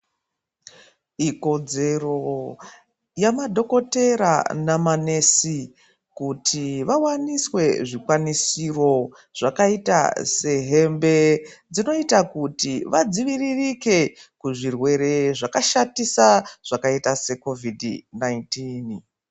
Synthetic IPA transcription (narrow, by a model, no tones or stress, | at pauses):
iko̞d͡ze̞ro̞ | jamadʱo̞ko̞te̞ɾa̰namanesi | kutʰiʋawaniswe̞ʐikwanisiro̞ | ʐ̥akaita̰se̞ɦe̞mbe̞d͡zino̞itakutiʋad͡ziʋiririke̞kuʐirwe̞ɾe̞ʐakaʃatisaʐ̥akaitase̞ko̞vidnaintin